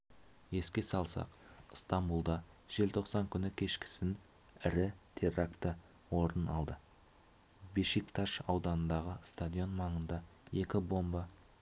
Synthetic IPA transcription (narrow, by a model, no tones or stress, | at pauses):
je̞skʲe̞sɑlˠsɑ̰qst̪ɑmbulˠd̪ɑ | ʒ̥e̞lt̪ʰo̞qsɑŋkʲʰʏnɪkʲʰe̞ʃkʲɪ̥sɪn | ɪɾɪt̪ʰerakt̪ə | wo̞ɾənɑ̰lˠd̪ə | biʃikt̪ʰaʃɑwd̪ɑnənd̪ɑʁəst̪ad̪ʲijo̞nmɑɴənd̪ɑe̞kʲɪbo̞mbə